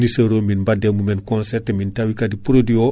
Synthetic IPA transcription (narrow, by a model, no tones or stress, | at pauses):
nisɐɾoːminbademumɛnkõnsɛrtemintawikadipɾodio